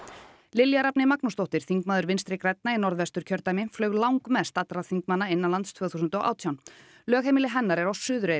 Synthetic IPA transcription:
lɪljaɾapnɪmaknust̪owht̪ɪɾ̥θiŋkmaːðʏɾvɪnst̪ɾɪkɾɛjt̪̚nainɔɾðvɛst̪ʏɾ̥cʰœɾt̪ajmɪflœːɥɣlawŋkmɛðst̪at̪ɾaθiŋkmanːaɪnːalant̪st̪ʰvœːθusʏnt̪ɔ̰wʔa̰ːwt̪ʰjawn | lœːɣɦejmɪlɪɦɛnːaɾɛɾawsʏːðʏɾe

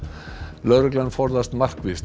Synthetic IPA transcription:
lœɾʏklanfɔɾðast̪mar̥kvist̪

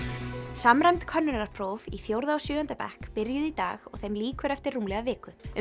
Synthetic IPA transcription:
samɾajmt̪kʰœnːʏnaɾ̥pʰɾoːviθjowɾðaɔwsjʏːœnt̪apɛ̰hkpɪɾjʏðit̪a̰ːɣɔ̰ɣθejmliːkʏɾɛft̪ɪrːuːmlɛɣavɪːkʏ

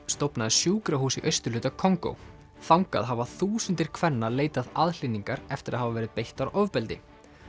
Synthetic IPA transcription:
st̪opnaðɪsjuːkɾaɦuːsiʔœɥst̪ʏ̥lʏːt̪akʰɔŋko̰w | θawŋka̰ðɦavaθuːsʏnt̪ɪɾ̥kʰvɛnːaleːjt̪aðaðl̥iniŋkaɾɛft̪ɪɾaðɦhavavɛːɾɪðpejht̪aɾʔɔvpɛlt̪ɪ̰

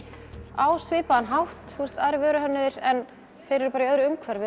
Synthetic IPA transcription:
aːwsvɪːpaanɦawht̪θurst̪aːɾɪvœːɾʏɦœnːɪðɪɾɛn | θejɾɛɾʏpaːɾaiœðɾʏʏmkʰvɛɾvɛ

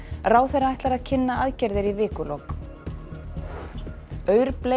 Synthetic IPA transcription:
raːwθejraajht̪laɾaðcʰɪnːaaðcɛɾðɪɾivɪːkʏlowk | œːɥɾple

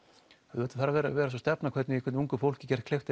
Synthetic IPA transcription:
ɛðɛːt̪ḁθaɾavɛɾavɛːɾas̬ɔst̪ɛpnakʰvɛɾt̪nɪikʰɛt̪nuŋkʏfowl̥cɪcɛɾ̥t̪kʰlext̪

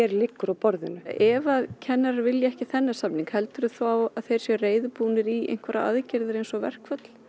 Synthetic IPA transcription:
ɛɾlɪkːɾawpɔɾðɪnʏɛvaðcʰɛnːaɾaɾvɪljɪɛhcɪθɛnːḁsapniŋkhɛlt̪ʏɾʏθaːwaðθejɾ̥sjɛreːjðʏpuːnɪɾiʔḛjnkʰvaɾa̰a̰ðcɪɾðʏɾejnsɔvɛ̰r̥kfœt̪l̥

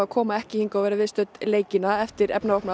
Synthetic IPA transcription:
akʰɔːmaɛhcɪhiŋkavɛːɾavɪːst̪œt̪leːjcɪnaɛft̪ɪɾɛ̰pnaɔhpna

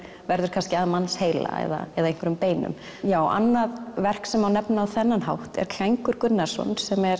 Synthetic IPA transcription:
vɛɾðʏɾ̥kʰanscɪaːðmanːsheːjla̰ɛ̰ða̰ɛðaejŋ̥kvɪɾʏmpeːjnʏ̰m | jaːwa̰nːaðvɛr̥ksɛmawnɛpnaaðθɛnːanɦawht̪ɛ̰ɾk̪ʰajŋkʏɾkʏnːḁsɔ̰nsɛmɛɾ

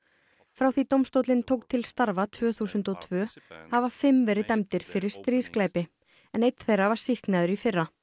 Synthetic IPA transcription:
fɾawθit̪owmst̪owt̪lɪnt̪ʰoːwk̚t̪ʰɪlst̪aɾvat̪ʰvœːθuːsʏnt̪ɔt̪ʰvœːhavafɪmːvɛɾɪt̪ɛmt̪ɪɾ̥fɪɾɪɾ̥st̪ɾiːsklaːjpɪ | ɛnejt̪θejrːavaɾ̥sihknaðʏɾifɪrːa

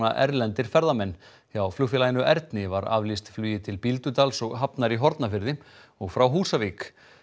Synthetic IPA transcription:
aʔɛ̰ɾlɛnt̪ɪɾ̥fɛɾðamɛnː | θjawflʏfɪlaːjnʏʔɛɾt̪nɪvaɾa̰vlist̪flyːjɪt̪ʰɪlpilt̪ʏt̪alsɔɣɦapnaɾiɦɔɾt̪nafɪɾðɪɔɣfɾawɦuːsaviːk

